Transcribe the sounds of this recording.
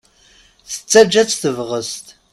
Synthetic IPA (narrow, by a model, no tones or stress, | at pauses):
sɨ̥t͡sʰʼːɐd͡ʒɐt͡sʰʼθɨvʁəstʼ